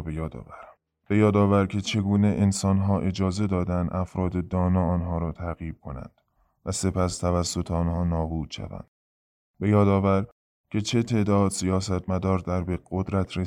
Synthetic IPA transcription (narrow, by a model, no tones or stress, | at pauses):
bejɒːd̪ɒ̰ːvæɾ | be̞jɒːd̪ɒːvæɾcʰe̞t͡ʃʰe̞ɡuːneʔensɒːnɦɒːʔe̞d͡ʒɒːze̞d̪ɒːd̪ænd̪ʔæfɾɒːd̪ed̪ɒːnɒːɒːnɦɒːɾɒːt̪ʰæɣjiːb̥̚kʰo̞næ̰nd̪̥ | væse̞pʰæst̪ʰævæsːo̞t̪ʰeɒːnhɒːnɒːbuːd̪̥ʃæ̰væ̰nd̪̥̚ | be̞jɒːd̪ɒːvæɾ | cʰe̞t͡ʃʰe̞t̪ʰe̞ːd̪ɒːd̪sijɒːsæt̪ʰmæd̪ɒːɾd̪æɾbeɡod̪ɾæt̪ʰɾe